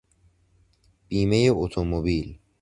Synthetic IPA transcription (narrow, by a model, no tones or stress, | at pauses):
b̥iːme̞jeot̪ʰomobiːl